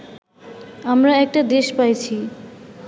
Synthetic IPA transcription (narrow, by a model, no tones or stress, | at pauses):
amɾaɛk̚ʈad̪eʃpajt͡ɕʰi